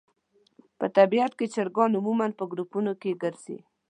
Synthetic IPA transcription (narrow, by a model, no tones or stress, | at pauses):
pət̪abiat̪ket͡ʃaɾɡɑnʊmumanpəɡɾupunokeɡəɾzḭ